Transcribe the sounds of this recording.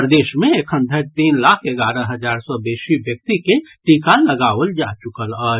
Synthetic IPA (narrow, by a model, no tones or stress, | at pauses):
pɾəd̪eːʃmẽekʰə̃nd̪ʱəɾt̪iːnlaːkʰeɡaɾə̃ɦəd͡ʒaːɾsɔbeːʃibjək̚t̪ikeʈikaləɡaːʋəld͡ʒat͡ʃʊkələ